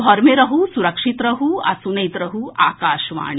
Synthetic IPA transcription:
ɔɾmeɾɐɦusuɾɐkʂit̪ɾɐɦuɐ̰sunɐjt̪ɾɐɦua̰ːkaːʃʋa̰ːɳ

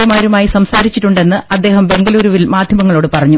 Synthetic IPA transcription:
ɐmaːɾumaːjisɐmsaːɾit͡ɕːiʈːuɳɖe̞nːɨʔɐd̪ːe̞ːhɐmbe̞ŋɡɐluːɾuːʋilmaːd̪ʱjɐmɐŋːɐɭo̞ːɽɨpɐrɐɲːu

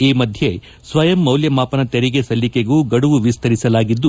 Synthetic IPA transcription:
iːmɐd̪ʱje̞ | sʋɐjɐmːɐwljɐmaːpɐnɐt̪eɾiɡe̞sɐlːikeɡuːɡɐɽuʋuʋist̪ʰɐɾisɐlaːɡid̪ːu

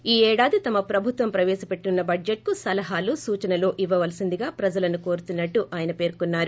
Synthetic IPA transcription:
iːɛːɽaːd̪it̪ɐmɐpɾɐbʱut̪ʋɐmpɾɐʋɛːʃɐpe̞ʈːinunːɐbʱɐɖjeʈ̚kusɐlɐɦaːlusuːt͡ʃɐnɐlo̞ːʔiʋːɐʋɐlsind̪iɡaːpɾɐd͡ʒɐlɐnuko̞ːɾut̪unːɐʈːuʔaːjɐnɐpe̞ːɾkunːaːɾu

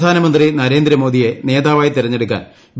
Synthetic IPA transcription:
d̪ʱaːnɐmɐnd̪rinɐɾe̞ːnd̪ɾɐmoːd̪ije̞ne̞ːd̪aːʋaːjt̪iɾɐɲːe̞ɽuk̬ːa̰ːn | b

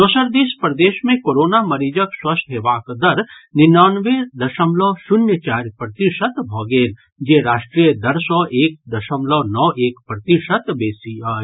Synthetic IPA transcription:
d̪osəɾd̪eːspɾɐd̪eːʃmẽkoːɾoːnamɐɾiːd͡ʒəkswɐst̪ʰɦeːʋaːkd̪ɐɾnɪnaːnʋed̪ɐʃəmlɔːʃʊnjət͡ʃaːɾjpɾɐt̪iʃət̪bʱɔːɡeːl | d͡ʒeːɾaːʃʈɾijəd̪ɐɾsɔʔeːk̚d̪ɐʃəmlɔnɔʔeːkpɾɐt̪iʃət̪beːsiaː

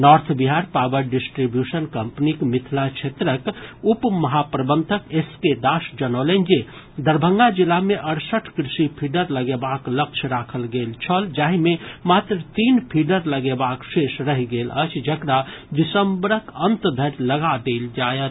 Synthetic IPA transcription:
nɔɾt̪ʰbiɦaɾpabəɾɖisʈɾibjusənkəmpnikmit̪ʰlat͡ʃʰet̪ɾəkupməɦapɾəbənt̪ʰəkesked̪asd͡ʒənələnd͡ʒe | d̪əɾbʱəŋɡad͡ʒilːameʔəɽsəʈʰkɾisipʰiɖəɾləɡebaklək̚t͡ʃʰɾakʰəlɡelt͡ʃʰəld͡ʒaɦimemat̪ɾət̪inpʰiɖəɾləɡebaksesɾəɦiɡelə̰t͡ʃʰd͡ʒəkɾad̪isəmbɾəkənt̪d̪ʱəɾləɡad̪eld͡ʒaet̪

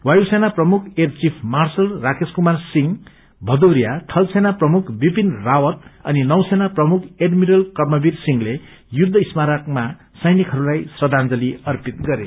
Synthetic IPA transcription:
wajusenaprʌmukʰert͡sipʰmarsʌlrakeskumarsiŋ | bʱʌd̪oɾijat̪ʰʌlsenaprʌmukʰbibinrawʌt̪ʌninʌwsenaprʌmukʰeɖmiɾʌlkʌrmʌbirsiŋle | jud̪ʱːʌismaɾakma | sʌjnikʰɦʌɾulajsrʌd̪ʱand͡zʌliʌrpit̪̚ɡʌɾe

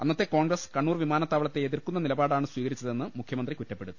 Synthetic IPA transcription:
ɐnːɐt̪ːe̞koːɳɡrɐskɐɳːuːrʋimaːnɐt̪ːaːʋɐɭɐt̪ːeeðirkːunːɐnilɐbaːɽaːɳɨswiːɣɐɾit͡ɕːɐðe̞nːɨmukʰjɐmɐndrikutːɐpːe̞ɽut̪ːu

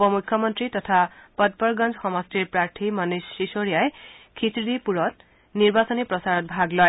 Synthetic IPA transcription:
pɔmukʰːjɔmɔntɹitɔtʰapɔt̚pɔɹɡɔnd͡ʑxɔmɔstiɹpɹaɹtʰimanusːisoɹijajkʰisdipuɹɔt̚ | niɹbasɔnipɹɔsaɹɔt̚bʱaɡlɔj

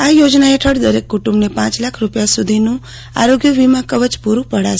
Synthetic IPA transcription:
ajod͡ʒnaeʈʰəɽd̪əɾekːuʈũmbnepãːt͡ʃlakʰɾupjasud̪ʱinũ | a̰ɾoɡjəʋimãkəʋət͡ʃpuɾũpəɽa

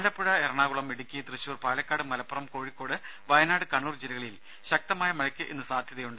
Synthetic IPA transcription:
ɐlɐpːuɻɐerɐɳaːɣuɭɐmeɽikʲːijɐt̪rɨɕuːrpaːlɐkʲːaːɽɨmɐlɐpːɐrɐmko̞ːɻikːo̞ːɽɨ | ʋɐjɐnaːɽɨkɐɳːuːrd͡ʑilɐɣɐɭil | ɕɐk̚t̪ɐmaːjɐmɐɻɐkʲːɨʔe̞nːɨsaːd̪ʱjɐðɐjuɳɖɨ

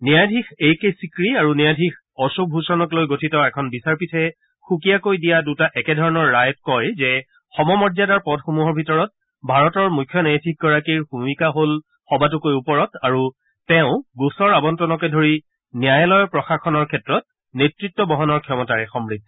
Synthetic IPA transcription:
nijajdʱixejkejsikɹiaɹunijadʱix | ɔsubʱɦusɔnɔklojɡotʰitɔɛkʰɔnbisaɹpitʰɛ | xukijakojdijadutaʔɛkɛdʱɔɹɔnɔɹːajɔt̚kɔjzɛ | xɔmɔmɔɹzjadaɹpɔdxumuɦɔɹbʱitɔɹɔt̚ | bʱaɹɔtɔɹmujkʰjɔnajadʱikʰɡɔɹakiɹbumikaɦol | xɔbatʊkojupɔɹɔtaɹuː | ɛʊ̃ɡusɔɹabɔntɔnɔkɛdʱoɹi | njajɔlɔjɔpɹɔxaxɔnɔɹkʰɛtɹɔt̚ | netɹitːɔbɔɦɔnɔɹkʰjɔmɔtaɹɛxɔmɹid̚

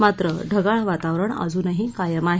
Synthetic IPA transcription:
mat̪ɾəɖʱəɡaɭʋat̪aʋɾəɳə̰d͡zuːnəɦĩkajəmaɦ

